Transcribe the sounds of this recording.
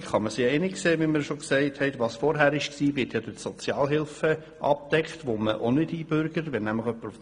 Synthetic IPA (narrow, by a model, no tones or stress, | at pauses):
χɑməsɪɛnɪkseːʋiməɾʃɔksɛɪthɛɪtʋɑːsfɔɾɦæːɾɪʃksiːʋɪːtjɑd̥əsɔt͡sjɑːlɦɪlfə | ʔɑ̰p̚dɛkχtʋoməʔonɪd̥ib̥ʏɾɡəɾʋɛnæmləχœpːəɾuf